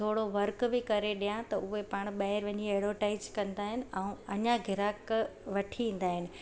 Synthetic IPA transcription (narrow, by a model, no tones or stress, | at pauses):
t̪ʰoːɽoʋɐɾkbɪkɐɾeɗijãt̪ɐʊɦepaɽ̃ɓɐːɪɾʋɐɲieːɽoʈaɪzkɐ̃nd̪aːɦɪnɪ̆ɛũɐɲaɡʱɪɾaːkʋɐʈʰiĩːn̆d̪aːɦɪnɪ̆